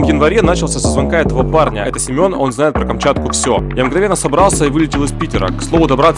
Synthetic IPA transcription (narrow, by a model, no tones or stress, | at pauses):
jɪnvɐɾʲen̪at͡ɕɪlˠsʲəsəzvɐnkaɛt̪əvəparnʲə̰ɛt̪əsʲɪmʲo̞no̞nznajɪt̪̚pɾəkɐmt͡ɕat̪̚kʊfsʲo̞jamɡnɐvʲe̞nːəsɐbɾɑlˠsʲəivɨlʲɪtʲɪlˠɨspʲitʲɪɾə̰kslˠo̞vʊd̪ɐbɾat̪